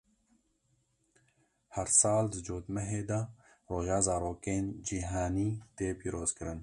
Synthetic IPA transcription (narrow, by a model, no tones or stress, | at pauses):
hɐɾsaːld̪ɨd͡ʒoːt̪mɐɦeːd̪ɐ | ɾoːʒaːzaːɾoːkeːnd͡ʒiːɦaːniːt̪eːpiːɾoːzkɨɾɨn